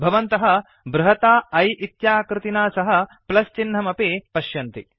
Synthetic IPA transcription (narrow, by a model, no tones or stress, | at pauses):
bʱɐʋɐnt̪ɐɦɐ | bɾɐɦɐt̪aːɐjʔit̪jaːkɾɪt̪inaːsɐɦɐ̆plɐst͡ʃinːɐmɐpeːpɐʃjɐnt̪i